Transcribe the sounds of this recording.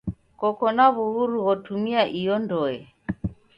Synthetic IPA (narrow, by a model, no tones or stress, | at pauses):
kɔkɔnaβuhuɾuɣɔtʰumiaʔijɔndɔɛ